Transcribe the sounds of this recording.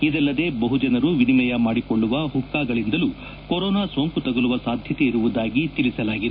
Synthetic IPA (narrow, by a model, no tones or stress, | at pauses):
id̪ɛlːɐd̪e̞ːbɐɦud͡ʒɐnɐɾuʋinilɐjɐmaːɽikoɭːuʋɐɦukːaːɡɐɭind̪ɐlu | koɾɔːnaːsoːŋkut̪ɐɡɐluʋɐsaːd̪ʱjɐt̪e̞iɾuʋud̪aːɡit̪iɭisɐlaːɡid̪